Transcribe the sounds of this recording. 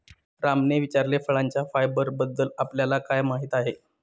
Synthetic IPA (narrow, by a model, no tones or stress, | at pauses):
ɾamneʋit͡ɕaɾlefəɭaɲt͡ɕjafajbəɾbəd̪ːəlapljalakajmaɦiːt̪aɦe